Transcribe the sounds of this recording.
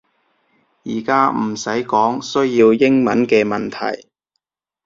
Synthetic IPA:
jiː˨˩kaː˥m̩˨˩sɐ˨˥jkɔː˨˥ŋsɵ˥ɥjiː˧wjɪ˥ŋmɐ˨˥nkɛː˧mɐ˨nt̪ʰɐ̰˨˩j

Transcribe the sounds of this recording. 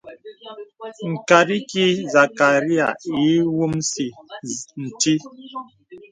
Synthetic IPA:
ŋ̩˨ka˨ɾi˦ki˦za˨ka˨ɾi˦a̰˨i˨˦wu˦msi˨n̩˨ti˦

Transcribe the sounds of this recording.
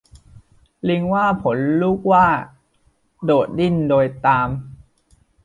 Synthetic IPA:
li˧ŋwaː˥˩pʰo˩˦nluː˦˥˩k̚waː˥˩ | doː˨˩t̪̚di˥˩ndoː˧jt̪aː˧m

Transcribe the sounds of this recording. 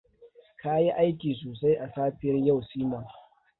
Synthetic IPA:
ka˦ji˦ʔa˦jkʲiː˨soː˨sa˦jʔa˨saː˦ɸɪ˦ɐ˦rja˦˨wsiː˦ma˨

